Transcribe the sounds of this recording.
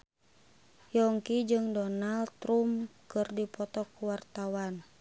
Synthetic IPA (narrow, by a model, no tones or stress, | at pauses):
jɔŋkid͡ʒɨŋdɔnalt̪ɾumkɨrdipɔt̪ɔkuwart̪awan